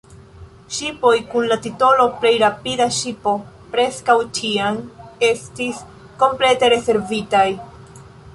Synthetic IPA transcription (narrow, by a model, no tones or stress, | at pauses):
ʃipo̞jkunlatito̞lo̞ple̞jɾapidaʃipo̞ | pɾe̞skawt͡ʃiane̞stis | ko̞mple̞te̞ɾe̞se̞ɾvitaj